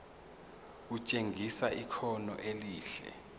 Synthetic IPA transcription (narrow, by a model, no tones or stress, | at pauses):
ut͡ʃʼeŋʱisaʔikʰɔnɔ̰ʔeliːɬɛ̰